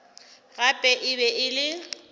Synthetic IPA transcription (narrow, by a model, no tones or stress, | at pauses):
ɣapʼɛʔɪβɛʔɪlɪ